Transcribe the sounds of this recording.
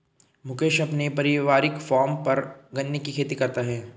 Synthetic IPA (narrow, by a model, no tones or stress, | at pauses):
mʊkeːʃɐpnepɐɾɪʋaːɾɪkfɔːɾmpɐɾɡɐnːekikʰeːt̪ikɐɾt̪aɦɛː